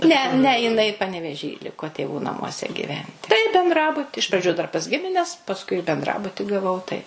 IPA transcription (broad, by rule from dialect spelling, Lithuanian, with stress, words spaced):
ˈnʲɛ ˈnʲɛ jɪˈnɐɪ pɐnʲɛʋʲɛˈʒʲiː ˈlʲɪkoː tʲeːˈʋuː nɐmuɔˈsʲɛ ɡʲiːˈʋʲɛnʲtʲɪ tɐɪ bʲɛnˈdrɑːbʊtʲɪ ɪʃ prɐˈd͡ʒʲʊ dɐr pɐs ˈɡʲɪmʲɪnʲɛs pɐsˈkʊɪ bʲɛnˈdrɑːbʊtʲɪ ɡɐˈʋɐʊ tɐɪ